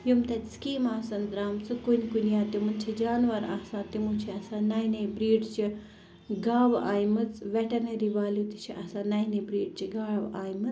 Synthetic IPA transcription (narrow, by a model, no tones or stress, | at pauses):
jumt̪ɐtʲskiːmaːsɐnɡɾaːmt͡sɨkunʲkunijãːt̪imunt͡ʃʰid͡ʒaːnʋɐɾaːsãːt̪imũːt͡ʃʰiɐsãːnaːjnebɾiːɖt͡ʃi | ɡaːʋaːjmɐt͡sʋʲeʈɐnɐɾiʋaːljuːt̪it͡ʃʰiʔɐsãːnaːjnebɾiːɖt͡ʃiɡaːɭʋaːjmɨt͡s